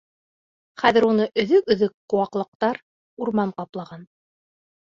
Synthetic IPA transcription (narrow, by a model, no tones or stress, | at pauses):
χæðɘ̆ɾunɤʔɵ̆ðɵkɵ̆ðɵkqːŏwɑqlˠɤ̆q̚t̪ɑɾ | uɾmɑɴqɑplˠɑʁɑn